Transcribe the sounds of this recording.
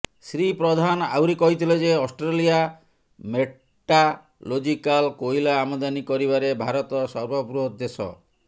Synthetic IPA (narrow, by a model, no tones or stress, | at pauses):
sɾipɾɔd̪ʱana̰wɾikɔɦit̪ʰiled͡ʒeɔsʈɾelija | me | ʈa | lod͡ʒikalkojlaːmod̪anikɔɾibaɾebʱaɾɔt̪ɔsɔɾbʱɔpuɾɔud̪ːesɔ̰